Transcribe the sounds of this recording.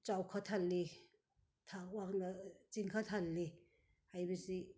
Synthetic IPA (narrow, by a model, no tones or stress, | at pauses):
t͡ʃawkʰat̪ʰalːi | t̪ʰawaknat͡siŋkʰat̪ʰalːi | hajbəsi